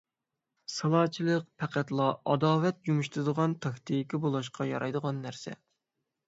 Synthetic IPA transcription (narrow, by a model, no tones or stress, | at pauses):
sɑlˠɑːt͡ʃʰilˠəq̚pʰɛqʰæt̪lˠɑɑd̪ɑːvɛt̪̚d͡ʒumuʃt̪ɨɾɨd̪əʁɑnt̪ʰɑkʲt̪ʰikʲibolˠɑʃqʰɑjɑ̰ɾʔɑjd̪əʁɑnːæɾsɛ̰